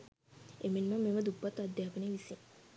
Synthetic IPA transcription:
emenməmːeməd̪upːat̪ːad̪ːjaːpəneʋisiŋ

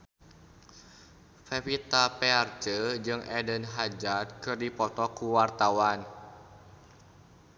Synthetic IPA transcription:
fefit̪apeart͡ʃəd͡ʒɨŋʔɛdənɦad͡ʒad̪̚kɨrdipɔt̪ɔkuwart̪awan

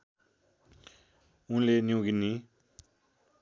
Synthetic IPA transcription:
unlenjuɡini

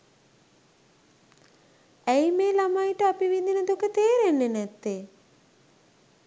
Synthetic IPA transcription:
æjmeːlamajʈəapiʋid̪inəd̪okət̪eːɾenːenɛt̪ːe

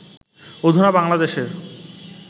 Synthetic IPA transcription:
od̪ʱonabaŋlad̪eʃeɾ

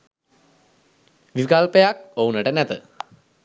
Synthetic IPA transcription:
ʋikalpejak̚ounəʈənɛt̪ə

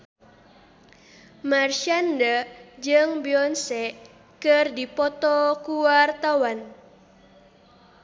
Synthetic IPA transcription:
marʃandəd͡ʒɨŋbiɔnsɛʔ | kərdipɔt̪ɔkuwart̪awan

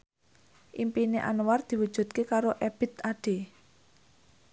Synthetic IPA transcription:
ʔimpineʔanward̪̥i̤wud̥ʒ̥ṳt̪̚kekaɾoʔɛb̥ɪ̤t̪aɖ̥e̤

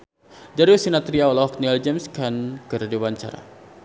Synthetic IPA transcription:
d͡ʒaɾiosinat̪ɾiaɔlaɔkniɛld͡ʒɛmskankɨrdiwaɲt͡ʃa̰ɾa̰

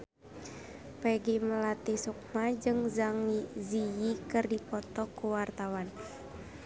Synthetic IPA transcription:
pɛɡiməlat̪isuk̚mad͡ʒɨŋzaŋizijikɨrdipɔt̪ɔkːuwart̪awan

